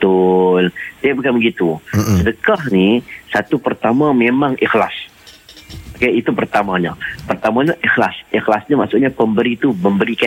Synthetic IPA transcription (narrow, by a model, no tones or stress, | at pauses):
ʊlsajaʔbukanbəɡit̪usədəkahnisat̪upərt̪amamemaŋixlas | kait̪upərt̪amaɲa̰pərt̪amaɲaʔixlasixlasɲamaʔsʊʔɲapəmbəɾit̪uməmbəɾika